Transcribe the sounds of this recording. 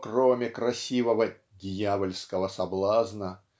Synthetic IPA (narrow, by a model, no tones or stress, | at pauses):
kromʲɪkɾɐsʲivəvə | dʲɪjavəlʲskəvəsɐblˠaznə